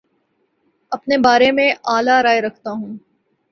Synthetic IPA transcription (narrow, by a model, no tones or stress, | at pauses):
ɐpnebaːɾemẽaːlaɾaːeɾɐkʰt̪aɦũː